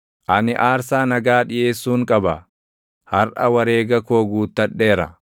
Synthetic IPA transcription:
ʔɐnɪʔaːɾsaːnɐɡaːᶑɪje̞ːsːuːŋkʼɐbɐ | hɐɾʔɐwɐɾeːɡɐkoːɡuːt̪ːɐᶑːe̞ːɾɐ̰

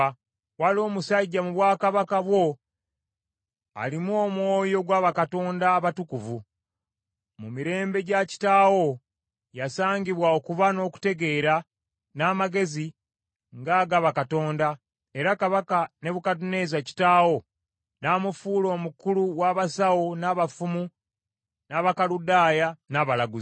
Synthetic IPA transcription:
walo̞ːmusaiɟamuβwaːkaβakaβwo̞ | a̰limuo̞ːmwo̞ːjo̞ɡwaːβakato̞ːndaːβatukuvu | mumiɾe̞ːmbe̞ɟaci̥taːwo̞ | jasaːɲɟiβwaokuβano̞ku̥te̞ɡe̞ɾa | naːmaɡe̞zi | ŋɡaːɡaβakato̞ːnda | e̞ɾakaβakane̞βukat̬une̞zaci̥taːwo̞ | naːmufuːlo̞ːmukuluwaːβasawonaːβafumu | naːβakaludaːjanaβalaɡuzi

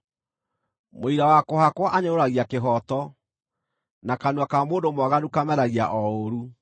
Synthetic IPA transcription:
moiɾawakohakwɔʔaɲeoɾaɣiakeɦɔtɔ | nakanuakamoːndomwaɣanukamɛɾaɣiaʔɔoɾu

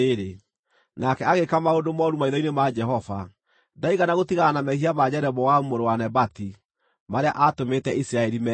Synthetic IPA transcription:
eɾe | nakɛaɣekamaodomɔɾumaiðɔinemad͡ʒɛɦɔva | daiɣanaɣotiɣanamɛhiamad͡ʑɛɾɛβɔwaumoɾowanɛbati | maɾeaʔatometɛisiɾaɛɾimɛ

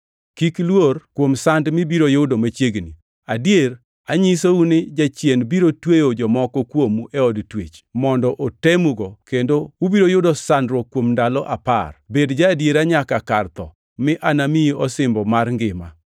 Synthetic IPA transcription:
kiklworkwomsandmɪbiɾojodomat͡ʃjeɡni | adjeɾ | aɲisounɪd͡ʒat͡ʃjenbiɾotwejod͡ʒɔmɔkɔkwomuɛɔdtwet͡ʃmɔndɔʔotemuɡɔkendoubiɾojodosandɾɔkwomndalɔʔa̰pa̰rbedd͡ʒadjeɾaɲakaka̰rt̪ɔ̰ | mɪʔanamiɔsɪmbɔmarŋɡɪma

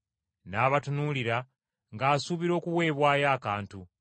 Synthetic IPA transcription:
naːβatunuliɾa | ŋɡaːsuβiɾo̞ːkuwe̞ːβwaːjaːkaːntu

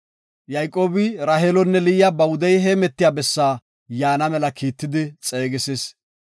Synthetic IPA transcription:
jɐjkʼo̞ːbɪɾɐɦelɔnːɛlɪjjabɐwʊd̪ɐjɦɛmɛt̪ːɪjaːbɛsːaː | jaːnɐmɛlɐkʰiːt̪ːɪd̪ɪt͡sʼe̞ːɡɪses

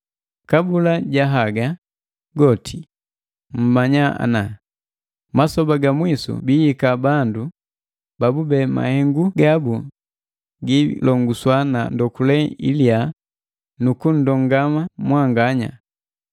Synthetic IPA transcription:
kabulaɟaɦaɡa | ɡɔtʰi | m̩maɲaa̰na | masɔbaɡamwisṵbijikabandu | babubɛma̰hɛŋɡuɡabu | ɡilɔŋɡuswanandɔkulɛḭlia | nukun̩dɔŋɡamamwaŋɡaɲa̰

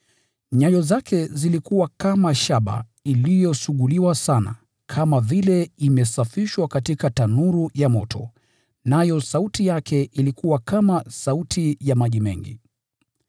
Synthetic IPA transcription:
ɲajɔzakʰɛzilikuwakamaʃaɓa̰ | ilijɔsuɠuliwasana̰ | kʰamavilɛimɛsafiʃwakatikatanuɾujamɔtʰɔ̰ | najɔsautijakʰɛʔilikuwakamasautʰijamaʄimɛ̰ŋɡḭ

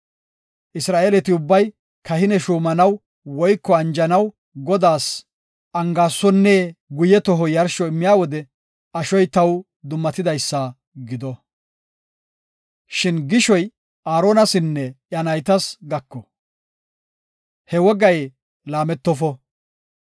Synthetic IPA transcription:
ʔɪsɾaːʔeːlɛt̪ɪʊbːɐj | kɐhɪnɛʃuːmɐnɐw | wɔjkːɔɐnd͡ʒɐnɐw | ɡɔd̪aːs | ʔɐŋɡaːsːɔnːeːɡʊjɛt̪ɔɦɔjɐɾʃɔɪmːɪjaːwɔd̪ɛ | ɐʃɔjt̪ɐw | d̪ʊmːɐt̪ɪd̪ɐjsːɐ | ɡɪd̪ɔ | ʃɪnɡɪʃɔj | ʔaːɾo̞ːnɐsɪnːɛʔjɐnɐjt̪ɐsɡɐkːɔ | hɛwɔɡɐj | laːmɛt̪ːɔfɔ

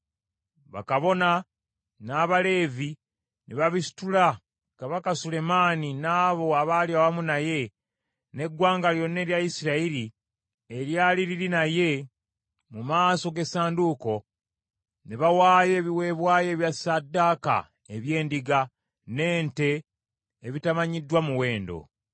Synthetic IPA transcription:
βa̰kaβo̞na | naːβale̞ːvi | nʔeβaβisi̥tula | kaβakasule̞maːninaːβo̞aβaːljawamunaje̞ | ne̞ɡːwaːŋɡaljo̞nːe̞ːɾjaisiɾaiɾi | eɾjaːliɾiɾinaje̞ | mumaːso̞ɡe̞saːnduːko̞ | neβawaːje̞ːβiwe̞βwaːje̞ːβjasadːaːka̰ | e̞βje̞ːndiɡa | ne̞ːnte̞ː | βitamaɲidːwamuwe̞ːndo̞̰

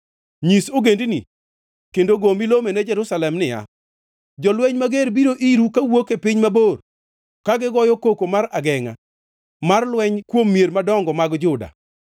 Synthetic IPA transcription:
ɲisoɡendini | kendoɡomilomenɛd͡ʒɛɾusalɛmnɪja̰ | d͡ʒɔlwɛɲmaɡeɾbiɾoʔiɾukawokepɪɲmabor | kaɡɪɡɔjɔkokomaɾaɡɛŋa̰ | marlwɛɲkwomːjeɾmadɔŋɡɔmaɡd͡ʒʊda̰

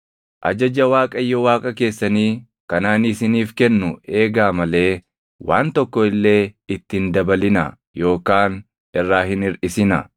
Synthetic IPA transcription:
ʔɐ̰d͡ʒɐd͡ʒɐwaːkʼɐjːɔwaːkʼɐke̞ːsːɐniː | kɐnaːnɪsɪniːfkɛnːʊe̞ːɡaːmɐle̞ː | wa̰ːnt̪ɔkːɔɪlːe̞ːɪt̪ːɪɪnd̪ɐbɐlɪnɐ̰ | jo̞ːkaːn | ɪrːaːɦɪnɪɾʔɪsɪnɐ̰

